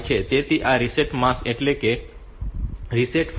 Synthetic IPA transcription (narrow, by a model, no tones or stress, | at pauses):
t͡ʃʰet̪et̪iʔaɾiseʈmãseʈleke | ɾiseʈf